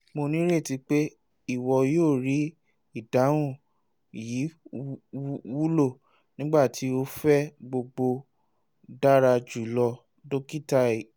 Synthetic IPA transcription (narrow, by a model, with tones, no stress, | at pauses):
mo˧nĩ˦ɾe˦˨ti˨˧k͡pe˦ | i˦˨wɔ˧joː˦˨ɾi˨˦ | i˦˨dã˨˦ũ˦˨ | ji˨˦ | wu˦lo˦˨ | nĩ˦ɡ͡ba˦˨tʰi˨˦o˦fɛ˦ɡ͡bo˧ɡ͡bo˧ | da˦ɾa˧d͡ʒu˨˦lɔ˧ | do˦ki˦ta˦˨i˨